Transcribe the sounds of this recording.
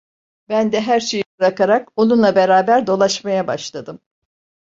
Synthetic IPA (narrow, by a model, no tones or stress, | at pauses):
bænd̪ɛɦæɾʃe̞jibɯɾakaɾako̞nunlˠabeɾaːbæɾd̪o̞lˠaʃmajabaʃlˠad̪ɯm